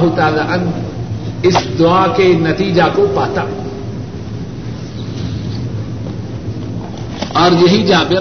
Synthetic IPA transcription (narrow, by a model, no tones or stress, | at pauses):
ɦʊt̪aːlaːʔə̃n | ɪsd̪ʊaːkenɐt̪iːd͡ʒakopaːt̪aː | ɔːɾjɐɦid͡ʒaːbɪ